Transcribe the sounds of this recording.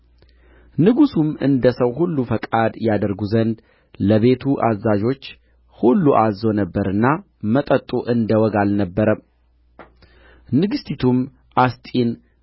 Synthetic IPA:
nɨɡusumɨnd̪əsəwhulːufəkʼad̪jad̪əɾɡuzənd̪ | ləβe̞t̪ʰuʔazad͡ʒo̞t͡ʃː | hulːuʔazo̞nəbːəɾɨnːa | mət̪ʼət̪ʼːuʔɨnd̪əwɔɡalnəbːəɾə | nɨɡɨst̪ʰit̪ʰum | ʔast̪ʼin

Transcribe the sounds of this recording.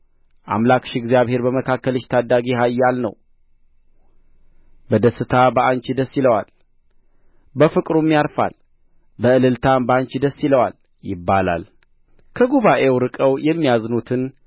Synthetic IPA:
ʔa̰mlakʃɪɡzjaβhe̞ɾbəməkʰakːəlɨʃt̪ʰad̪ːaɡiɦajːalnə̰w | bəd̪əsːɨt̪ʰabəaɲt͡ʃɪd̪əsːɪləwal | bəfɨkʼɾumːijaɾfa̰l | bəɨlɨlt̪ʰambəaɲt͡ʃɪd̪əsːɪləwal | jɪbːala̰l | kʰəɡuβaʔe̞wɾɨkʼəwjɛmːijaznut̪ʰɨn

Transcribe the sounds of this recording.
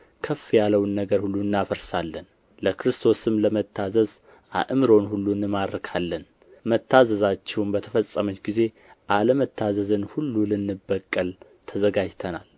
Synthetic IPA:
kʰəfjaləwnːəɡəɾhulːuɨnːafəɾsalːən | ləkɾɨst̪ʰo̞sɨmləmət̪ʰːazəz | ʔa̰ʔɨmɾo̞nhulːunɨmaɾkʰalːən | mət̪ʰːazəzat͡ʃːɛwnbət̪ʰəfəsʼːəmot͡ʃɡize̞ | ʔaləmət̪ʰːazəzɨnhulːulɨnːɨbːəkʼːəl | t̪ʰəzəɡad͡ʒt̪ʰənal

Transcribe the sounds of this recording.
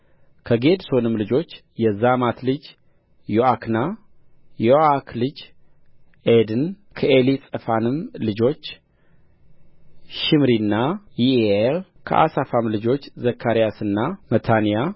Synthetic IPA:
kʰəɡe̞d̪so̞nɨmlɨd͡ʒo̞t͡ʃː | jɛzamat̪lɨd͡ʒ | joakʰna | joakʰlɨd͡ʒ | ʔed̪ɨn | kʰəʔelisʼəfanɨmlɨd͡ʒo̞t͡ʃː | ʃɪmɾinːajielkʰə̰ʔa̰safamlɨd͡ʒo̞t͡ʃːzəkʰːaɾijasɨnːamət̪ʰanija

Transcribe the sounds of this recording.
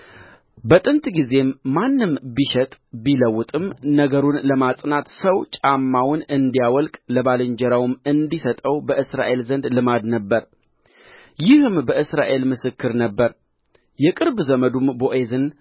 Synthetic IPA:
bət̪ʼɨnt̪ʼɡize̞mːanːɨmbiʃɛt̪ʼbiləwːʊt̪ʼɨmnəɡəɾunləmasʼnat̪səwt͡ʃʼamːawnɨnd̪ijawɔlkʼləbalɨɲd͡ʒɛɾawmɨnd̪isət̪ʼəwbəʔɨsɾa̰ʔe̞lzənd̪lɨmad̪nəbːəɾ | jɪhɨmbəʔɨsɾaʔe̞lmɨsɨkːɨɾnəbːəɾ | jɛkʼɨɾbzəməd̪umboʔe̞zɨn

